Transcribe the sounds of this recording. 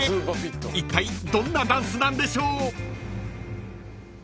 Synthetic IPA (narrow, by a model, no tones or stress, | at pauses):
ɨːpapit̪ːoit̪ːaid̪õ̞nːad̪ãɰ̃sɨnãnd̪e̞ɕo̞ː